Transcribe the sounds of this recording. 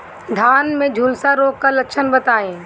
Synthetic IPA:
d̪ʱaːnmẽd͡ʒʱuːlsaɾoːkːalɐkʃʰənbɐt̪aːẽː

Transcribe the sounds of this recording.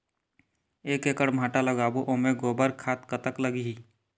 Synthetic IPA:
eːkeːkəɽmʱaːʈaləɡaːbuʔoːmeɡoːbəɾkʰaːt̪kət̪əkləɡiɦiː

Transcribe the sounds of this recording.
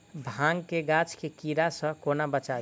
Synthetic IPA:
bʱãŋɡkeɡat͡ʃkekiɾasə̃konabət͡ʃa

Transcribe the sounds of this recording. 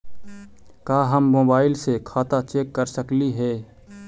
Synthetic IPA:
kaːɦəmːoːbaːɪlsekʰaːt̪at͡ʃeːkːəɾsəkliɦɛː

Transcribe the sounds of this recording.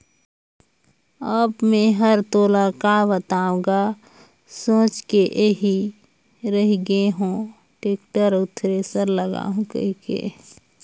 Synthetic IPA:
əbmẽɦəɾt̪oːlakaʋət̪aːʊ̃ɡa | sõːt͡ʃkeʔeɦi | ɾəɦiɡeɦũ | ʈeːkʈəɾʊt̪ʰɾesəɾləɡa̰ːũkə̰ɦikḛː

